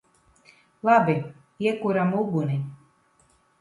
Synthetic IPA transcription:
lˠabi | iɛkuɾamuɡuni

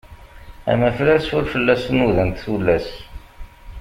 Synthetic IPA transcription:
æ̰mæflæθsʊɾfəlːæsnuðænt̪θulːæs

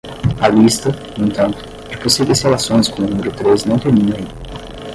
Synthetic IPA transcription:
alist̪ɐnũĩñt̪ɐ̃nt̪ʊ̥ | d͡ʒɪpõseɡɪshelasõj̃skõʊnũmeɾʊt̪ɾeznɐ̃w̃t̪eɾmĩnẽ

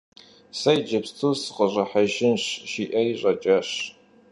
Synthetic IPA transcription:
sɐjd͡ʒɐpstʰusɨqʼəɕʷʼɐħaʒɪnɕʃiʔɐiɕʷʼɐt͡ʃʼɐɕ

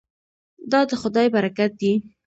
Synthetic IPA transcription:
d̪ɑd̪əxʊd̪ɑjbaɾakat̪̚d̪i

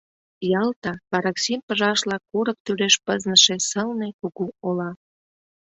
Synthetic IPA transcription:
jɑlt̪ɑpɑɾɑksimpəʒɑʃlɑkuɾək̚t̪yleʃpəznəʃesəlnekuɣuolɑ

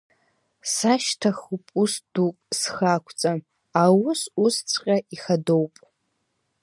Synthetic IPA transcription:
saʃtʰaχupʼusd̥upʼsχakʷʰt͡sʼa | awʊsust͡sʷʰʼqʲʼaʔiχado̞wpʼ

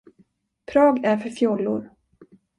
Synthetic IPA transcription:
pʰɾɑːɡæɾfœɾfjɔlːʊ̰ɾ

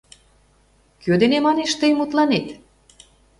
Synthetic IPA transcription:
kød̪enemɑneʃt̪əjmut̪lɑnet̪

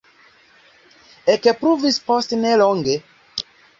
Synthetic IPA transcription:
ekepɾuvisposteneloŋɡe

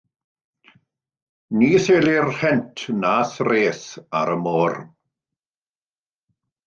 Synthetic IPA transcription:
niːseːlirhɛntʰnaːsreːsa̰ɾəmoːr

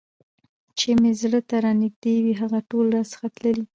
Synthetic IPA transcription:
t͡ʃemezɽət̪aɾɑnɪxd̪ewiɦaɣaʈolɾɑsə̥xat̪ləli

